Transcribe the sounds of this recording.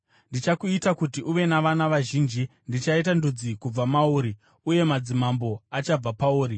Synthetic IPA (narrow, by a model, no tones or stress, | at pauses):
ndit͡ʃakuitakutiʔuʋe̞naʋanaʋaʒiːnd͡ʒindit͡ʃaitandud͡zikub͡vamauːɾi | uje̞mad͡zimambo̞at͡ʃab͡vapauːɾi